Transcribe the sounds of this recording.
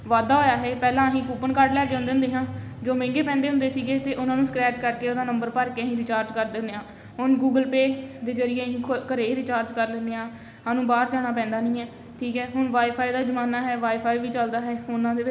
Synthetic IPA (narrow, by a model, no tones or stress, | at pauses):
ʋaːd̪aːɦoːjaːɦɛːpɛːlãːəɦĩːkuːpənkaːɾɖlɛːk̬eːʊ̃nd̪ɪ̃ʊ̃nd̪eːɦãːd͡ʒoːmɛ̃ːŋɡeːpɛ̃ːnd̪eːɦʊ̃nd̪eːsiːɡeːt̪eːʔʊnãːnũːsəkɾɛːʈkəɾkeːoːd̪aːnəmbəɾpəɾkeɦĩːɾɪt͡ʃaːɾd͡ʒkəɾd̪ɪnd̪eːãː | ɦʊnɡuːɡəlpeːd̪eːd͡ʒəɾɪjeːĩːkʰkəɾeːɾɪt͡ʃaːɾd͡ʒkəɾlɪnd̪eːãː | aːnũːbaːɾd͡ʒaːɽ̃aːpɛ̃ːnd̪aːnĩːɦɛː | ʈʰiːkɦɛːɦʊɳʋaːipʰaːiːd̪aːd͡ʒəmaːnaːɦɛːʋaːipʰaːiːʋiːt͡ʃəld̪aːɦɛːpʰoːnãːd̪eːʋɪ